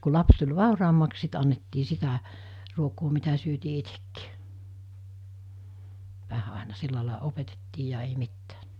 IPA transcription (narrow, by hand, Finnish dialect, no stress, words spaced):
ku lɑps tulʲ ʋɑˑurɑːmːɑks sit ɑnːetːiː sitæ ruokoː mitæ syøtiː itekːi̥ː ʋæhæ ɑˑenɑ silːɑlɑˑe opetetːiː jɑ ei mitːæ̥ː